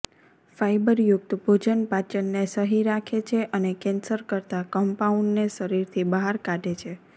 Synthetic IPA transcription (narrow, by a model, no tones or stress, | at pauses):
faibəɾjʊk̚t̪bʱod͡ʒənpat͡ʃənːesəɦiɾakʰet͡ʃʰeʔənekɛnsəɾkəɾt̪akəmpauɳɖneʃəɾiɾt̪ʰibəɦaɾkaɖʱet͡ʃʰe